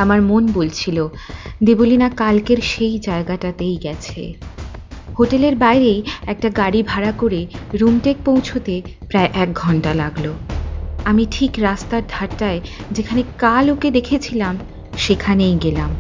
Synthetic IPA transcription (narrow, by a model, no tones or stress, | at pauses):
amaɾmonbolt͡ɕʰilod̪ibolinakalkeɾʃejd͡ʑaeɡaʈat̪ejɡɛt͡ɕʰḛ | hoʈeleɾbajɾejɛk̚ʈaɡaɽibʱaɾakoɾeɾumʈek̚powt͡ɕʰot̪epɾaeʔɛk̚ɡʱɔɳʈalaɡlo | amiʈʰikɾast̪aɾd̪ʱaɾʈaed͡ʑekʰanekaloked̪ekʰet͡ɕʰilam | ʃekʰanejɡelam